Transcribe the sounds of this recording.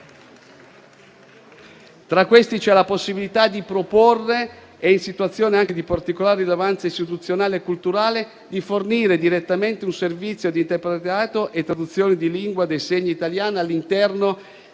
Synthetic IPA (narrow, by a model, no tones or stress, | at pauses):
t̪ɾakːwest̪it͡ʃɛlaposːibilit̪ad̪ipɾoporːe | einsit̪uat̪sːjoːneaŋk̟ed̪ipart̪ikolaːɾeːilevant̪saist̪it̪ut̪sːjonaːleːkːult̪uɾaːle | d̪iforniːɾed̪iɾet̪ːament̪eunservit̪sːjod̪int̪epɾet̪aːt̪oʔet̪ːɾad̪ut̪sːjoːnid̪iliŋɡwad̪ejseɲːiit̪aljaːnealːint̪ɛrno